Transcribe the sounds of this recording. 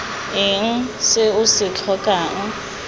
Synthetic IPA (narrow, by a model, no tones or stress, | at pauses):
ɪŋ̩sɪʊsɪt͡ɬʰɔkʼaŋ̩